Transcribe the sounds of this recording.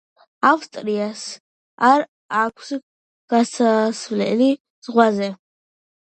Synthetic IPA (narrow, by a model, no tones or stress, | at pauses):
awst̪ʼɾias | aɾ | akʷʰs | ɡ̥asasvlɛ̰li | z̥ʁwazɛ